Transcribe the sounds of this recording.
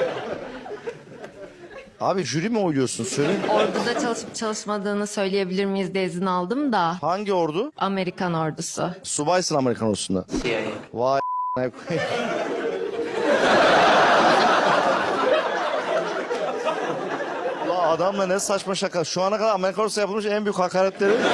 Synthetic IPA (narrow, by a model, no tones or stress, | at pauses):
aːbiʒyɾimiujlujo̞ɾsunsøjlʲeinoɾd̪ud̪at͡ʃʰat͡ʃʰalˠɯʃmad̪ɯːnɯsø̞jlʲeje̞bilʲiɾmijizd̪ezinalˠd̪ɯmd̪ahaɲɟioɾd̪ʊame̞ɾikʰano̞ɾd̪usʊ̰subajsɯname̞ɾikʰano̞ɾd̪usuna̰vanakʰ | lˠːaːd̪amlˠanɛsat͡ʃmaʃakaʃuanakad̪aɾameɾikʰanoɾd̪sajapʰɯlˠmɯʃɛnbyjychakaːɾat̪lʲeɾi